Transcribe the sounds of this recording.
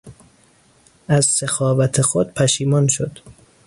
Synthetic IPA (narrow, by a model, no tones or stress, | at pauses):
ʔæzsexɒːvæt̪ʰexod̪̥̚pʰæʃiːmɒnʃod̪̥